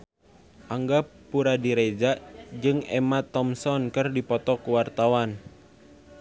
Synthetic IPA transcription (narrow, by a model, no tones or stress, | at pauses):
ʔaŋɡapuɾadiɾed͡ʒaʔd͡ʒɨŋɛ̰mat̪ɔmsɔnkɨrdipɔt̪ɔkuwart̪awan